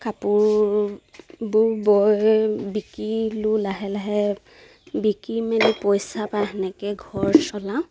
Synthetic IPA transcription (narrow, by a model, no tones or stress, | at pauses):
kapʊɹ | bʊɹbɔjbikilulaɦɛlaɦɛ | bikimɛnipɔjsapaɦɛnɛkɛɡʱɔɹsɔlã